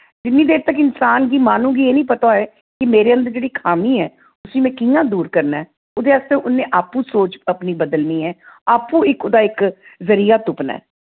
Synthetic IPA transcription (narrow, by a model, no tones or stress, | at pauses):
d͡ʒɪnːĩːd̪eːɾt̪əkɪnsaːnɡiːmaːnũːɡiːeːnĩːpət̪aːɛː | kɪmeːɾeːənd̪əd͡ʒeːɽiːkʰaːmiːɛː | ʊsĩːmɛ̃ːkĩjãːd̪uːɾkəɾnaɛː | oːd̪eːaːst̪eʔʊnːẽːʔaːpũːsoːt͡ʃəpniːbəd̪əlniːɛːaːpũːɪkod̪aːɪkzəɾijaːt̪ʊpna̰ː